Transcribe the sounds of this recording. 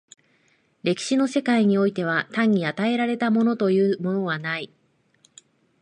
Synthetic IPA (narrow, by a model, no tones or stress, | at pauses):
ɾe̞kʲi̥ɕino̞se̞kaiɲ̟io̞it̪e̞β̞at̪ãɲ̟ːiat̪ae̞ɾaɾe̞t̪amo̞no̞t̪o̞jɯ̟ːmo̞no̞β̞anai